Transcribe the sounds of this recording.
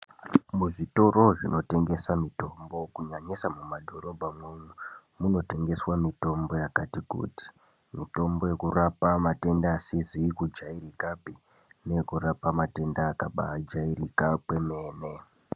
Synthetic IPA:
muʐito̞ɾo̞ʐino̞te̞ŋɡe̞samito̞mbo̞kuɲaɲisamumadʱo̞ɾo̞bʱamweɲu | muno̞te̞ŋɡe̞swamito̞mbo̞jakatikṵːti̥ | mito̞mbo̞je̞kurapamate̞ndaːsizikud͡ʒaiɾikapi | ne̞kurapamate̞ndaːkaɓa̰d͡ʒairikakwe̞me̞ːne̞

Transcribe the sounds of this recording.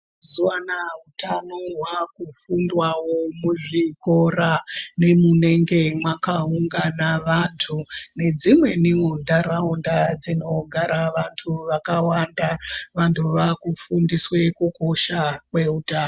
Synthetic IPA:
zuwanaɦutʰanoɦwakufundwawo̞muʐiko̞rane̞mune̞ŋɡe̞mwakauŋɡanaʋantʰune̞d͡zimwe̞niundaɾaundad͡zino̞ɡʱaɾaʋantʰuʋakawandaʋantʰuʋakufundiswe̞kuko̞ʃakwe̞utaːno

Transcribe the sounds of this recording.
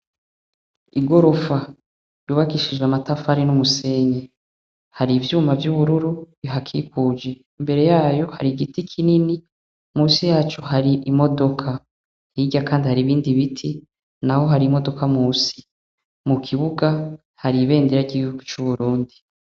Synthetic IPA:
iɡo̞ɾo̞fa | juːβakiʃid͡ʒeamatafaɾinumuse̞ːɲe | haɾivjuːmavjuβuɾuɾuβiɦakʰikuːd͡ʒe̞ | imbe̞ɾe̞jaːjo̞ha̰ɾiɡitikʰinini | muːsijaːt͡ʃuhaɾiʔimo̞do̞kʰa | hiɟakaːndihaɾiβiːndiβitʰi | naho̞ɦaɾimo̞do̞kʰamuːsi̥ | mukʰiβuɡa | haɾiβe̞ːndiɾaɟiɡihuɡut͡ʃuβuɾuːndi

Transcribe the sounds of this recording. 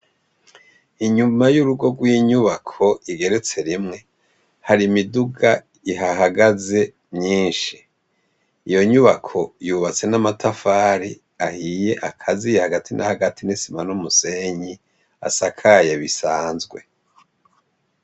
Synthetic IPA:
iɲumajuɾuɡo̞ɡwiɲuβakʰo̞iɡe̞ɾe̞t͡se̞ɾimŋe̞ | haɾimiduɡa | iɦaɦaɡaze̞ | mɲiːnʃi | ijo̞ɲuβakʰo̞juːβat͡se̞namatafaːɾi | ahije̞ʔakʰazijehaɡatʰinʔa̰haɡatʰinisimanumuse̞ɲi | a̰sakʰajeβisaːnzɡwe̞

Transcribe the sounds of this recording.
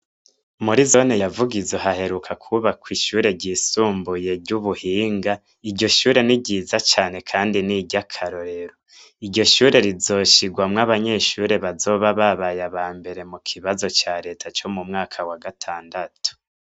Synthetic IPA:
muɾizonejavuɡizoɦahe̞ɾukʰakʰuβakwiʃuːɾe̞ɟiːsuːmbuje̞ɾɟuβuhiːŋɡa | iɟo̞ʃuːɾe̞niɟiːzat͡ʃaːne̞kʰaːndiniɟakʰaɾo̞ɾe̞ɾo | iɾɟo̞ʃuːɾe̞ɾizo̞ʃiɡwamŋaβaɲe̞ʃuːɾe̞βazo̞βaβaβajaβaːmbe̞ɾe̞mukʰiβazo̞t͡ʃaːɾe̞ːtʰat͡ʃo̞mumŋaːkʰawaɡatʰaːndatu̥

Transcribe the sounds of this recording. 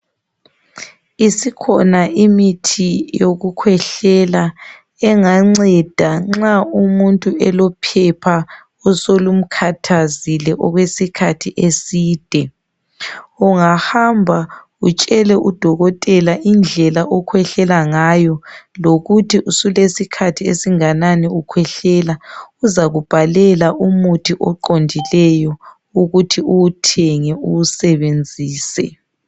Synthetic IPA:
isikʰɔnaimitʰijoɣukʰwɛɬɛla | ɛŋaŋ͡ǀɛd̥ʱaŋ͡ǁaumuntʼuʔɛlɔpʰɛpʰa | ɔsolum̩kʰatʰazilɛʔɔɣwesikʰatʰiʔesiːd̥ʱɛ | uŋahambʱa | ut͡ʃʼɛlɛʔud̥ʱɔɣɔtʼɛlaʔind͡ɮʱɛlaʔɔkʰwɛɬɛlaŋajɔloɣutʰiʔusulesikʰatʰiḛsiŋananɛukʰwɛɬɛlauzaɣub̥ʱalɛlaʔumutʰiʔɔǃondʱilɛjɔ | uɣutʰiuwutʰɛŋɛuwusɛβend͡zʱiːsɛ

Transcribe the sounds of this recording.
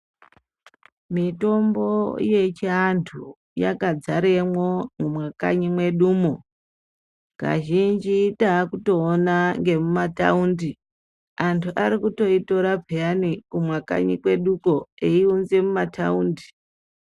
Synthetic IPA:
mito̞mbo̞̰je̞t͡ʃiantʰu | ja̰kad͡zaɾemwo̞mumwaka̰ɲimwe̞ɗuːmo | ka̰ʒind͡ʒitaːkuto̞ːnaŋɡe̞mumata̰undi | antʰuʔaɾikuto̞ito̞ɾapeanikumwaka̰ɲikwe̞ɗuko̞eiunze̞mumatʰauːndi

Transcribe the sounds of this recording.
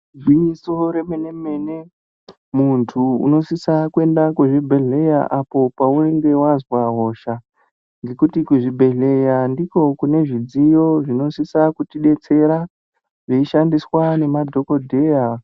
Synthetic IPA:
d͡zwiisoɾe̞meneme̞ne | muntʰuṵno̞sisakue̞ndakeʐibʱe̞ɮe̞ja̰ʔapo̞paueŋɡe̞wazwaɦo̞ʃa | ŋɡe̞kutikuʐibʱe̞ɮe̞jandiko̞kune̞ʐid͡zijo̞ʐino̞sisakutiɗe̞t͡se̞ɾa | ʐeiʃandiswane̞madʱo̞ko̞dʱe̞ja

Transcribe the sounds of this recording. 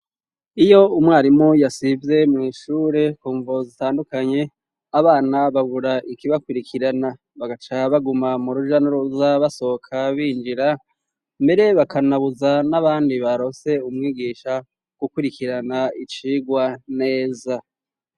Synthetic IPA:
ijo̞umŋaːɾimojasivje̞mŋiːʃuːɾe̞kuːɱvozitaːndukaɲe̞ | aβaːnaβaɡuɾaʔikiβakuɾikʰiɾana | βaɡat͡ʃaβaɡumamuɾuʒanuɾuzaβaso̞kʰaβiːnd͡ʒiɾa | mbe̞ɾe̞βakʰanaβuzanaβaːndiβaɾo̞se̞umŋiːɡiːʃa | ɡ̥ukuɾikiɾanait͡ʃiːɡwane̞ːza

